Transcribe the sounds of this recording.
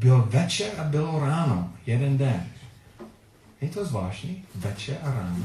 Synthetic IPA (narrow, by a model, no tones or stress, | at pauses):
bɪlvɛt͡ʃɛʔabɪloɾaːnojɛdɛndɛn | ɪt̪ozvaːʒnivɛt͡ʃɛʔaɾaːno